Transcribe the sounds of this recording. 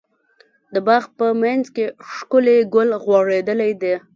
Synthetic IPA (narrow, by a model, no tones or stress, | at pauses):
d̪əbɑɣpəmanzkeʂkʊleɡʊlɣwɑɻed̪əlajd̪e